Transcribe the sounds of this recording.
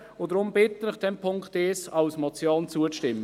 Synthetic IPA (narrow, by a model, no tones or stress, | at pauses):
ʊdɾʊmbɪtənɪχd̥ɛmpʰʊŋktesɑʊsmɔt͡sjoːnt͡suəʃtɪmːə